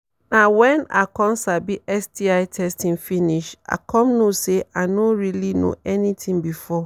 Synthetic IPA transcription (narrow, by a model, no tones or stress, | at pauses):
nawɛ̃na̰kɔ̃msabiʔɛsdiaɪtʰɛstʰĩŋfĩniʃa̰kʰɔ̃mnoseanoɹilino̰ɛnitʰĩŋbifɔ